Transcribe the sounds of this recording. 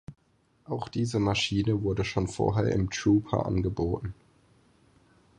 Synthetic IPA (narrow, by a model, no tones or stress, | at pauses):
ʔaʊxd̥iːzəmaʃiːnəvʊɐdəʃoːnfo̰ːɐɦeːɐʔɪ̰mtɹuːpʰɐ̰ʔa̰nɡəboːtn̩